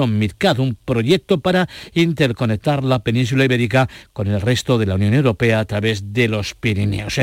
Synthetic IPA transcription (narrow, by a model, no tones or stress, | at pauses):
ommiɾkaðumpɾo̞ʝek̚t̪opaɾaint̪eɾko̞nek̚t̪aɾlape̞nĩnsulaiβeɾikako̞nelrest̪oðe̞launjo̞newɾo̞pe̞aːt̪ɾaβezðelo̞spiɾinḛos